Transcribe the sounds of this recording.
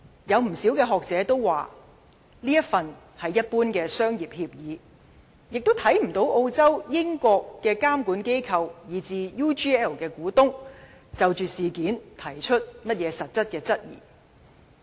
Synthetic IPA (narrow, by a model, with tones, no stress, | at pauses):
jɐ˨˧wm̩˨˩si˨˥wkɛː˧ɦɔː˨k̚t͡sɛː˨˥t̪o˥wwaː˨ | liː˥jɐ˥t̚fɐ˨n | hɐ˨jːɐ˥t̚puː˥nkɛː˧sœː˥ŋjiː˨p̚hiː˧p̚jiː˨˦ | jɪ˨k̚t̪o˥wt̪ʰɐ˨˥jm̩˨˩t̪o˨˥wʔo˧wt͡sɐ˥wjɪ˥ŋkɔː˧kːɛː˧kaː˥mkuː˨˥nke˥jkʰɐ˧wjiː˨t͡siː˧juː˥t͡ʃiː˥ɛː˥˩lkɛː˧kuː˨˥t̪ʊ˥ŋ | t͡sɐ˨wt͡ʃyː˨siː˨kiː˨˥nt̪ʰɐ˨˩jt͡ʃʰɵ˥t̚mɐ˥t̚jɛː˨˧sɐ˨t̚t͡sɐ˥t̚kɛː˧t͡sɐ˥t̚jḭː˨˩